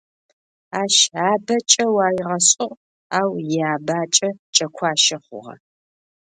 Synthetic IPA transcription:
aːʃaːbɐt͡ʃʼɐwaːjɪʁɐɕʼʊʁ | aːwjɪaːbaːt͡ʃʼɐt͡ʃʼɐkʷʰɑːʃɐχʷʊ̰ʁɐ̰

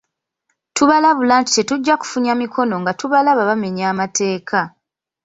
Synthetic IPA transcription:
tuβalaβulaːnti̥te̞tuɟːaku̥fuɲamikʰo̞no̞ŋɡatuβalaβaβame̞ɲaːmatʰe̞ːkʰa

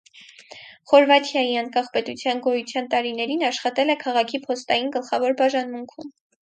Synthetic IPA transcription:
χɔɾvɑt̪ʰjɑjiɑŋkɑχpɛt̪ut͡sʰjɑnɡɔjut͡sʰjɑnt̪ɑɾinɛɾinɑʃχɑt̪ɛlɛkʰɑʁɑkʰipʰɔst̪ɑjinɡəlχɑvɔɾbɑʒɑnmuŋkʰum

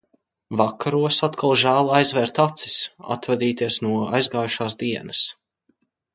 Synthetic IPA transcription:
vakʰaɾuɔsat̪kʰalˠʒæːlˠajzvɛɾt̪at̪si̥sa̰t̪vad̪iːt̪iɛsnuɔajzɡaːjuʃaːsd̪iɛnɐs

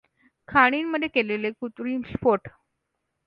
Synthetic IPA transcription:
kʰaɽ̃inmːəd̪ʱjekelelekut̪ɾiːnspoʈ

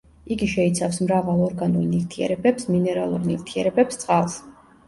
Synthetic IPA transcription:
iɡiʃɛit̪sʰafsmɾavalˠɔɾɡanuɾniɾt̪ʰiɛ̰ɾɛbɛpsminɛɾalˠuɾnivt̪ʰiɛɾɛbɛpst̪sʼqʼalˠs

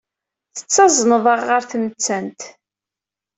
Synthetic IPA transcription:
θə̥t͡sːɑzˤnəðˤəʁːəɾθnət͡sːænt̪

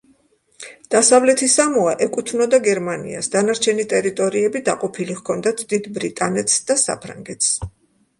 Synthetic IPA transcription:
d̪̥asavlɛt̪ʰisamɔaʔɛkʼut̪ʰnɔd̪aɡɛɾmanḭa̰sd̪anaɾt͡ʃʰɛnit̪ʼɛɾit̪ʼɔɾiɛbid̪a̰qʼɔpʰiliʁkʰɔnd̪at̪ʰd̪id̪bɾit̪ʼanɛt̪ʰsd̪̥asa̰pʰɾa̰ŋɡɛt̪ʰs

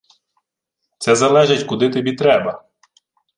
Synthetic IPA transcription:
t̪sɛzɐlˠɛʒɪtʲkʊd̪ɪt̪ɐbʲit̪ɾɛbɐ

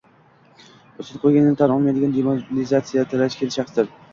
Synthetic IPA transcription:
osɪt̪̚qʰojɡʲanɪnɪt̪ʰanɑlmajd̪ɪɡʲand̪emonɪzat̪sijat̪ʰɪlat͡ʃkʲʰelɪʃɑχsd̪ɪɾ

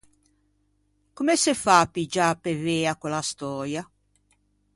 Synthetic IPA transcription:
kumɛsefapid͡ʒapeveːakwɛlast̪ɔːɾja

